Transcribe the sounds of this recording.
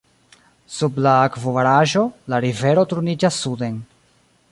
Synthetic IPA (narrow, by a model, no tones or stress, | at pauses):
sublaːkvovaɾaʒo̞laɾive̞ɾo̞tuɾunid͡ʒasːude̞n